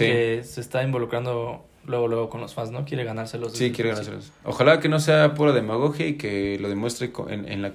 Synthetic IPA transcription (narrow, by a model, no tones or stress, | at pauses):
siesest̪aimbo̞lukɾand̪o | lweɣolwe̞ɣoko̞nlosfanzno̞kje̞ɾeɣanaɾselozsikjeɾeanaɾselo̰ | o̰xalake̞no̞s̬e̞apuɾaðe̞maɣ̞oxjaikelo̞ðemwe̞st̪ɾeko̰ḛnḛnla